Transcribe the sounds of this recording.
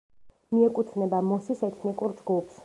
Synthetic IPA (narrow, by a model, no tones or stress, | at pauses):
miɛkʼut̪ʰnɛbamɔsisɛt̪ʰnikʼuɾd͡ʒɡupʰs